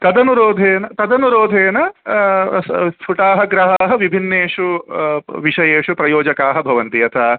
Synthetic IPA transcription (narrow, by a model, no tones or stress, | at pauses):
t̪ɐd̪ɐnuɾoːd̪ʱeːnɐt̪ɐd̪ɐnuɾoːd̪ʱeːnɐ | pʰuʈaːɦɐɡɾɐɦaːɦɐʋibʱinːeːʂu | ʋiʂɐjeːʂupɾɐjoːd͡ʒɐkaːɦɐbʱɐʋɐnt̪ijɐt̪ʰɐː